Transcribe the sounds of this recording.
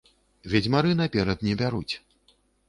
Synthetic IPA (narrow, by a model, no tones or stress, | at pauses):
vʲɛd͡zʲmaɾɨnapʲɛɾɐd̪nʲɛbʲaɾut͡sʲ